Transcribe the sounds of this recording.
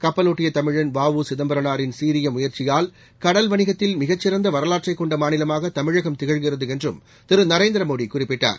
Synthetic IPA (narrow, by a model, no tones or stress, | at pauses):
kɐpːɐloːʈːɪjɐt̪ɐmɪɻɐnʋaːʋɯsɪðɐmbɐɾɐnaːɾɪnsiːɾɪjɐmʊjɐɾt͡ʃɪjaːl | kɐɽɐlʋɐnɪɣɐt̪ːɪlmɪɣɐt͡ʃːɪɾɐnd̪ɐʋɐɾɐlaːʈ̚t͡ʃɐɪkːɔɳɖɐmaːnɪlɐmaːɣɐt̪ɐmɪɻɐɣɐmt̪ɪɣɐɻɣɪrɐðɯɛndrɯ̰m | t̪ɪɾɯnɐɾeːnd̪ɪɾɐmoːɽikʊrɪpːɪʈːa̰ːɾ